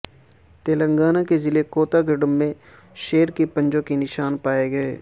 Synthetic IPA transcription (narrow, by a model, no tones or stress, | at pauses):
t̪eːlə̃ŋɡaːnakezɪlekoːt̪aɡɪɖəmːẽ | ʃeːɾkipə̃ɲd͡ʒõkinɪʃaːnpaːeɡɐeː